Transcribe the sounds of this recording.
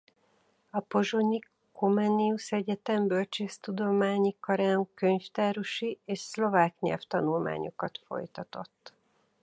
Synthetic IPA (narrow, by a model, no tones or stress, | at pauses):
ɒpo̞ʒoɲi | komɛnːiusɛɟɛt̪ɛmbølt͡ʃeːst̪ud̪o̞maːɲikɒɾaːŋkøɲft̪aːɾuʃieːʃslo̞vaːkɲɛ̰lft̪ɒnulma̰ːɲo̞̰kɒt̪fo̞̰jt̪ɒt̪o̞̰t̪ː